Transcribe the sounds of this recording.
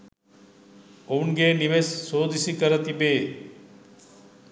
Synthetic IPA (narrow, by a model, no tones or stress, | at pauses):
onɡeːniʋesːoːd̪isikəɾət̪ibeː